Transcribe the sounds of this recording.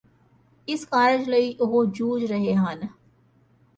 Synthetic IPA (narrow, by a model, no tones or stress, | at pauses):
ɪsxaːɾɪd͡ʒləiʔʊɦod͡ʒuːd͡ʒɾɐɦeɦaːn